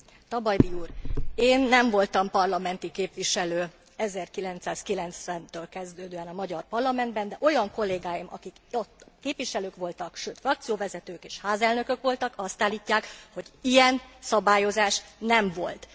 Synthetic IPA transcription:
t̪ɒbɒjd̪iuːreːnːɛɱvo̞lt̪ɒmpɒrlɒmɛnt̪ikeːpʋiʃɛløː | ɛzɛrkilɛnt̪saːskilɛnt̪sʋɛnt̪øːlkɛzd̪øːd̪øːɛnɒmɒɟɒrpɒrlɒmɛnd̪bɛnd̪ɛʔo̞jɒŋko̞lːeːɡaːjimɒ̰kikot̪ːkeːpʋiʃɛløːkʋo̞lt̪ɒkʃøːt̪frɒk̚t̪sijoːvɛzɛt̪øːkeːʃhaːzɛlnø̞kø̞kʋo̞lt̪ɒkɒst̪aːlːiːcːaːkho̞ɟijɛnsɒbaːjo̞zaːʃnɛɱvo̞̰lt̪

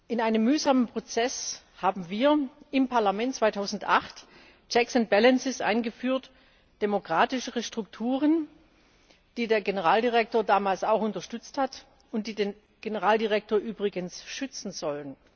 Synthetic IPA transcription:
ʔɪnaɪnəmːyːzamənpʁ̥ot͡sɛs | haːbm̩viːɐʔɪmpʰaɐlamɛntt͡sv̥aɪtʰaʊzn̩tʔa̰χt | t͡ʃɛksʊnt̚b̥ɛlɛnsɪsʔa̰ɪnɡəfyːɐt | d̥emokʁ̥aːtɪʃəʁəʃtʁ̥ʊktʰuːʁən | d̥iːdeːɐɡenəʁaːldiʁɛk̚toːɐdaːmaːlsaʊxʊntɐʃtʏt͡sthat | ʊnt̚d̥iːdeːn | ɡ̥enəʁaːldiʁɛk̚toːɐʔyːbʁɪɡənsʃʏt͡sn̩zɔlən

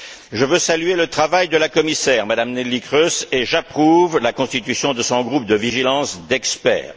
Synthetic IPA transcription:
ʒəvøsalyelət̪χavajd̪əlakɔmisɛːʁmad̪amnɛlikχøseʒapχuvlakɔ̃st̪it̪ysjɔ̃d̪əsɔ̃ɡʁup̚d̪əviʒilɑ̃sd̪ɛkspɛ̰ːʁ

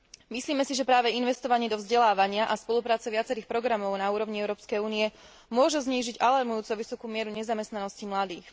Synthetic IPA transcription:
misliːmɛsiʒɛpɾaːʋɛinʋɛst̪ɔʋaɲɪɛd̪ɔvzɟɛlaːʋaɲɪaʔaspɔlupɾaːt͡sɛʋɪat͡sɛɾiːxpɾɔɡɾamɔʊnauːɾɔʋɲiɛʊɾɔːpskɛjuːniɛ | mʊɔʒuzɲiːʒiɟalaɾmujuːt͡sɔʋisɔkuːmɪɛɾuɲɛzamɛst̪nanɔscimlad̪iːx

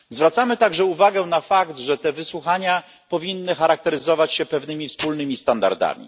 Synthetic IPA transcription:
zvɾat̪samɘt̪aɡʐɛuvaɡɛnafakt̪ʐɛt̪ɛvɘswuxaɲa | pɔvʲinːɘxaɾak̚t̪ɛɾɘzɔvat͡ɕɕɛpɛvnɘmʲifspulnɘmʲist̪and̪a̰ɾd̪a̰mʲḭ

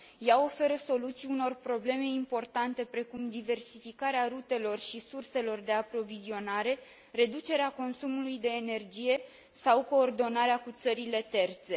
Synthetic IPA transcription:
jao̞fe̞ɾəso̞lut̪siuno̞rpɾo̞ble̞me̞impo̞rt̪ant̪e̞pɾe̞kumd̪ive̞rsifikaɾeaɾut̪e̞lo̞rʃisurse̞lo̞rd̪e̞apɾo̞vizio̞naɾe̞ | re̞d̪ut͡ʃe̞ɾeako̞nsumulujd̪e̞ːne̞rd͡ʒije̞ | sawko̞ːrd̪o̞naɾeakut̪səɾile̞t̪e̞rt̪se̞

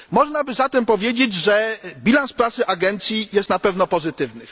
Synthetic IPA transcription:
mɔʐnabɘzat̪ɛmpɔvʲjed͡ʑed͡ʑʐɛbʲilanspɾat̪sɘʔaɡɛnt̪sʲjijɛst̪napɛvnɔpɔzɘt̪ɘvnɘ

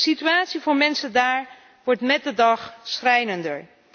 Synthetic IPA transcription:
sityaːtsivoːɹmɛnsəndaːɹ | ʋɔɹtmɛt̚dədɑχsχrɛjnəndəɹ

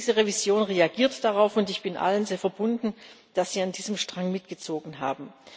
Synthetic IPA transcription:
zəʁevizjoːnʁeaɡiːɐtd̥aʁaʊfʊntɪçb̥ɪnʔa̰lənzeːɐfɛɐbʊndn̩ | d̥asz̥iːandiːzəmʃtʁ̥aŋmɪtɡ̥ət͡soːɡn̩ɦa̰ːbm̩

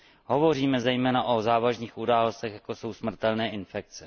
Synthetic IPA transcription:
ɦo̞vo̞riːmɛzɛjmɛːnaʔozaːvaʒɲiːxʔudaːlo̞st̪ɛxjako̞so̞wsmr̩t̪ɛlnɛːʔɪnfɛk̚t͡sɛ

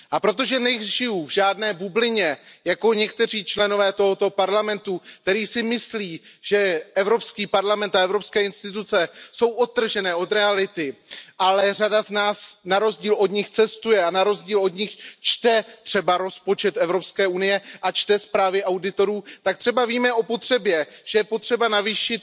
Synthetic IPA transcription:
ʔapɾo̞t̪̬o̞ʒɛnɛʒɪjuvʒaːdnɛːbublɪɲɛjako̞ɲɛk̚t̪ɛr̝iːt͡ʃlɛno̞vɛːt̪oɦo̞t̪o̞paɾlamɛnt̪uk̚t̪ɛɾiːsɪmɪsliːʒ̥ɛʔɛvɾo̞pskiːpaɾlamɛnt̪aɛvɾo̞pskɛːɪnst̪ɪt̪̬ut͡sɛso̞wʔot̪̚ːr̩ʒɛnɛːʔo̞t̪ɾɛalɪt̪ɪʔalɛradaznaːsnaɾo̞zɟiːlo̞d̪ɲɪxt͡sɛst̪ujɛanaɾo̞zɟiːlo̞d̪ɲɪxt͡ʃt̪ɛt̪r̝̥ɛbaɾo̞spo̞t͡ʃɛt̪ɛvɾo̞pskɛːunɪjɛʔat͡ʃt̪ɛspɾaːvɪʔawdɪt̪o̞ɾuːt̪ak̚t̪r̥ɛbaviːmɛʔo̞po̞t̪r̥ɛbjɛʒ̥ɛjɛpot̪r̝̥ɛbanaviːʃɪt̪̚

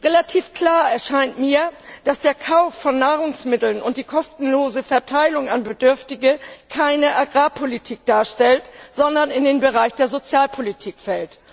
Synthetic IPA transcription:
ʁelatʰiːfkl̥aːɐɛɐʃaɪntmiːɐd̥asd̥eːɐkʰaʊfːɔnːaːʁʊŋsmɪtl̩nʊntd̥iːkʰɔstn̩loːzəfɛɐtʰaɪlʊŋanbədʏɐftɪɡəkʰaɪnəʔaɡʁaːpʰolitʰiːk̚d̥aːɐʃtɛltz̥ɔndɐnɪndeːnbəʁaɪçd̥eːɐzot͡sjaːlpʰolitʰiːkfɛlt

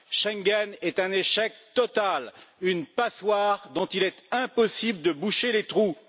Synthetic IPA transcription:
ʃɛ̃ŋɡɛnɛt̪ɛ̃neʃɛk̚t̪ɔt̪alynpaswaːʁd̪ɔ̃t̪ilɛt̪ɛ̃pɔsibləd̪əbuʃelet̪χu

